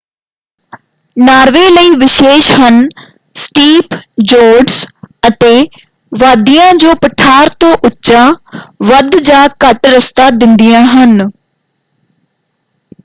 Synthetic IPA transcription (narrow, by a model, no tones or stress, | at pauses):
naːɾʋeːləiːʋɪʃeːʃɦən | sʈiːpd͡ʒoːɾɖsət̪eː | ʋaːd̪ijãːd͡ʒoːpəʈʰaːɾt̪õːʔʊtːt͡ʃaːʋəd̪d͡ʒaːkəʈɾəst̪aːd̪ɪnd̪ɪjãːɦən